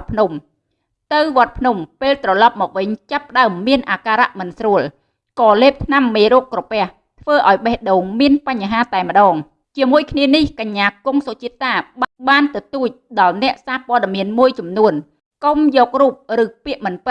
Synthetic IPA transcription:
pʰnum | t̪ɨwʋŏət̪̚pʰnumpeːlt̪rɑlɑp̚mɔːk̚ʋɨɲt͡ɕapːə̆ɗaəmːiənʔaːkaːɾaʔmɨnsruəl | kɑːleːp̚t̪ʰnamːeːɾoːkːrɔpɛ̆əh | t̪ʰʋəːʔaɔjɓehɗoːŋmiənpaɲːaɦaːt̪aɛmə̆ɗɑːŋ | t͡ɕiəmuəjkʰniənihkaɲːaːkuŋsot͡ɕiət̪ːaːɓɓaːnt̪ɨwt̪uːc̚ɗɑlnɛ̆əʔsaːpoəɗemiənmuəjt͡ɕɑmnuən | komjɔːk̚ruːp̚rɨːpiəʔmɨnpɨt̪̚

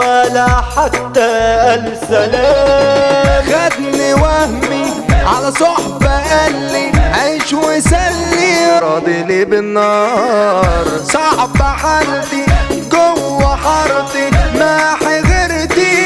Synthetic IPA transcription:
alaħat̪ːaal | sala | ɣad̪niwahmiʕalasˤʊħbaʔalːiʕajʃwɪsalːiɑd̪ˤilibɪnːɑː | ɾˤsˤɑʕbaħald̪iɡʊwːaħɑɾˤd̪ˤimaħiɣɪɾd̪i

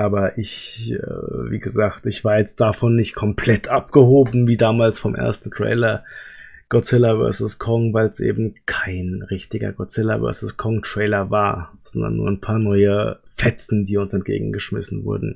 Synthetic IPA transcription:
ʔaːbɐʔɪç̰ | vḭːɡəzaːktɪçv̥aːɐjɛt͡st̚d̥afɔnːɪçtkʰɔmpʰl̥ɛtʰʔapɡ̥əhoːbm̩viːdaːmaːlsfɔmʔḛɐstn̩tʁ̥ɛ̰ɪlɐ | ɡ̥ɔt͡sɪlɐvœ̰ɐsʊskʰɔŋvaɪlsʔḛːbm̩kʰaɪnʁɪçtɪɡɐ̰ɡɔt͡sɪlaɐ̰vœ̰ɐsʊskʰɔŋtʁ̥ɛɪlɐva̰ːɐz̥ɔndɐ̰nːṵːɐanpʰaːɐnɔʏəfɛt͡sn̩diːʊnsɛntɡ̥ḛːɡŋ̩ɡəʃmɪ̰sn̩vʊ̰ɐdn̩

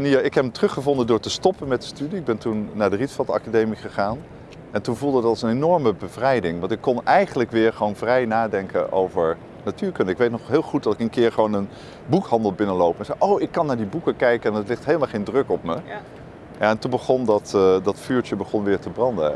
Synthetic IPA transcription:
nijaʔɪkɦɛptərɵχəvɔndəndʊːɹtəstɔpənmɛt̚dəstydiɪɡ̚bɛntunːaːɹdəritfɑtɑ̰kadejmiχəχaːn | ɛntunvulˠdədɑtsənenɔɹməbəvrɛjdɪŋʋɑntɪkːɔnɛjχənləkʋɪːɹχəʋownvrɛjnaːdɛŋkə̰nʔo̰wvəɹ | natyːɹkɵndəɪkʋejtnɔχɦɪːlˠχut̚dɑtɪkənkɪːɹχʋownən | bukhɑndəlˠbɪnəlowpənzɛjʔowɪkːɑnːaːɹdibukəkɛjkəɛnətlɪχtɦejlˠmalˠχejndrɵkɔp̚mə | jaɛntunbəχɔndɑtdɑtfyːɹt͡ʃəbəχɔnʋɪːɹtəbrɑndə̰

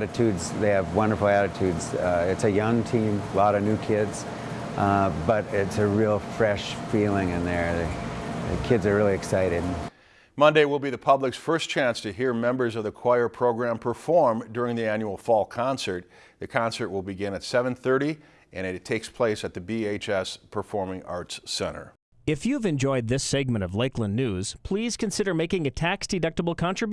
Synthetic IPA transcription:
ɾɨtʰʉdzðeɪɨvwʌ̃ndə˞fl̩ˠæɾɨtʰʉdz̥ɪtsɨjʌ̃ŋtʰĩmlɔɾʌnʉkʰɪdz̥ | bʌɾɪtsɨɹilˠfɹɛʃfilˠɪ̃ŋɨ̃nðə˞ðɨɨ̰kʰɪdzə˞ɹɪlˠiɨksaɪɾɨd̥ | mʌ̃ndeɪwɪlˠbiðɨpʰʌblɨksfɜ˞st͡ʃʰæ̃nstʰɨɦiɹmɛ̃mbə˞zʌvðɨkʰw̥aɪə˞pʰɹ̥oʊɡɹæ̃mpʰə˞fɔɹmdʊɹɪ̃ŋðiæ̃njul̩ˠfɔlˠkʰɑ̃nsə˞t̪̚ | ðɨkʰɑ̃nsə˞tʔ̚wəlˠbɨɡɪ̃nɨtsɛvɨ̃nθɜ˞ɾi | ʔɨ̃ñɨtʰeɪkspʰl̥eɪsɨt̪̚ðɨbieɪt͡ʃɛspʰə˞fɔɹmɪ̃ŋɑ̰ɹtssɛ̰̃ɾ̃ə̰˞ | ɨfjʉvɨ̃nd͡ʒɔɪd̪̚ðɪsɛɡ̚mɨ̃ɾ̃ʌvleɪklə̃nːʉz̥pʰl̥iz̥kʰɨ̃nsɪɾə˞meɪkɪ̃ŋɨtʰæksd̥ɨdʌk̚təbl̩ˠkʰɑ̃ntɹ̥ɨb

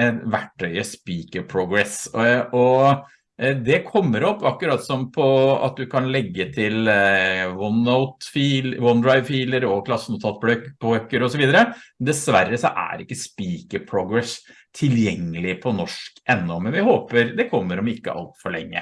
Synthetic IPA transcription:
ʋæʈːœʏəspiːkəpʰɾuɡɾɛsʔɔ | d̪ɛkʰɔmːəɾɔpːɑkːʉɾɑt̪ːsɔmpʰɔɑ̰t̪̚d̪ʉkʰɑnlɛɡːət̪ʰɪl | ʋɔnaʊt̪fiːʋɔnd̪ɾɑɪʋfiːləɾɔkʰlɑsənʊt̪ʰɑːlt̪̚blœkpʰɔøkːəɾɔsɔʋiːd̪əɾəd̪ɛsʋæɾːəsɔʔæ̰ɾɪkːəspiːkəpʰɾuɡɾɛs | t̪ʰɪljɛŋːəlɪpʰɔnɔʂkʔɛnːɔmɛnʋɪhoːpəɾd̪ɛkʰɔmːəɾɔmɪkːə̰ʔɑ̰lt̪fɔɭɛ̰ŋːə̰

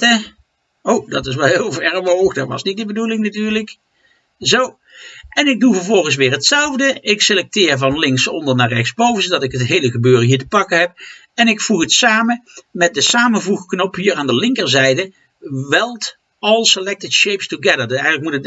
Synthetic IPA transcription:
owdɑtɪs̬ʋɛlˠɦɪːlˠvɛɹəʋowxdaʋɑ̰snit̚dəbədulɪŋnatyːɹlək | zow | ʔɛnɪɡ̚duvəɹvɔlˠɣən̩s̬ʋɪːɹɦətsɛlˠvdəʔɪkselɛk̚tɪːɹvɑnlɪŋksɔ̰ndəɹnaːɹrɛxsbowvənzədɑtɪkɦətɦejləɣəbøːrəɦiːɹtəpɑkəɦɛp̚ | ɛnɪkfuχətsaːməmɛt̚dəsaːməvuxknɔpɦiːɹaːndəlɪŋkəɹzɛjdə | ʋɛlˠt | ɔlˠsəlɛk̚tɪtʃejpstuɡɛdəɹdɛjələkmutə

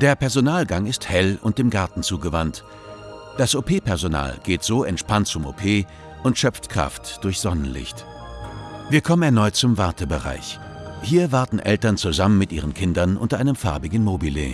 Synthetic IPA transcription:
d̥eːɐpʰɛɐzonaːlɡaŋɪsthɛlʊ̰nt̚d̥eːmɡaɐtn̩t͡suːɡəvant | d̥asʔopʰeːpʰɛɐzona̰ːlɡ̥eːtz̥oːʔɛntʃpant̚t͡sʊmo̰pʰeː | ʔʊntʃœpp͡ftkʁ̥a̰ftd̥ʊɐçz̥ɔnənlɪ̰çt | viːɐkʰɔmənɛɐnɔʏt̚t͡sʊmvaɐtəbəʁa̰ɪç | hiːɐvaɐtn̩ʔɛ̰ltɐnt͡suzamənmɪtʔḭːʁənkʰɪndɐnʔʊ̰ntɐʔaɪnəmfa̰ɐbɪɡŋ̩mobilḛː

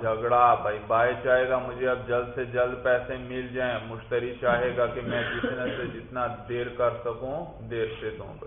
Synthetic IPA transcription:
d͡ʒʱɐɡɽabʱaibaːet͡ʃaːɦeːɡamʊd͡ʒʱeɐb̚d͡ʒɐld̪sed͡ʒɐld̪pɛːsẽmɪld͡ʒaːẽmʊʃt̪əɾikt͡ʃaːɦeːɡakimɛ̃d͡ʒɪt̪nẽsed͡ʒɪt̪nad̪eːɾkɐɾsɐkũ | d̪eːɾʃet̪ɦṵ̃b

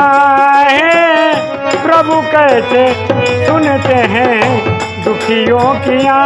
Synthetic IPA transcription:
ɦẽ | pɾɐbʱukɛɦet̪esʊnt̪eɦɛ̃ | d̪ʊkʰijõːkiaː

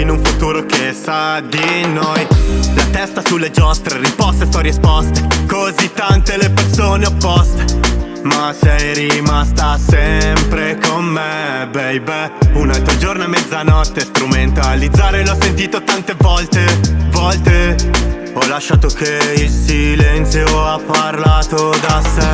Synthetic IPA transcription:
inuɱfut̪uːɾokesad̪inojlat̪ɛst̪asulːed͡ʒɔst̪ɾeɾispɔst̪esɔɾispɔst̪e̥kozit̪ːant̪elepersoːneopːɔst̪e̥ | masɛjrimast̪asɛmpɾekomːebɛjbɛunalt̪ɾod͡ʒornoamːɛd̪zːanɔt̪ːest̪ɾument̪alid̪zːaːɾelɔsːent̪iːt̪ot̪ant̪evɔlt̪evɔlt̪e | ɔlaʃːaːt̪ok̟eilsilɛnt̪sjoapːarlaːt̪od̪asɛ

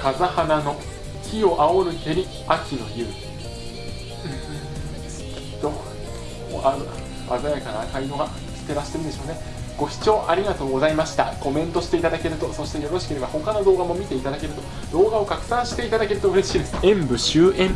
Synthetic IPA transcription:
kazahanano̞ | çʲio̞ʔao̞ɾɯ̟t̪e̞ɾʲi | akʲino̞̰jɯ̟ː | ɯ̃ | i̥t̪o̰ | a | a̰zajakaɾaːkaid̪o̞ɡa | sɨ̥t̪e̞ɾaɕi̥t̪e̞ɾɯ̟nd̪eɕoːne̞ | ɡ̥o̞çi̥t͡ɕo̞ːʔaɾʲiɡat̪o̞ːɡo̞zaimaɕi̥t̪a̰ko̞mẽ̞nt̪o̞ɕi̥t̪e̞it̪ad̪ake̞ɾɯ̟t̪o̞so̞ɕi̥t̪e̞jo̞ɾo̞ɕi̥ke̞ɾe̞baho̞kano̞d̪o̞ːɡamo̞mʲit̪e̞it̪ad̪ake̞ɾɯ̟t̪o̞ | d̪o̞ːɡao̞kakɯ̟̥sãɰ̃ɕi̥t̪e̞it̪ad̪ake̞ɾɯ̟t̪o̞ɯ̟ɾe̞ɕiːd̪esẽmbɯ̟ɕɨːʔẽm

